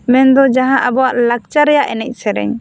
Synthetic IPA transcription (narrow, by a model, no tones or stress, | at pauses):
mɛnd̪ɔd͡ʒaɦãʔabɔwaʔlak̚t͡ʃaɾɛjaʔɛnɛc̚ˀsɛɾɛ̰ɲ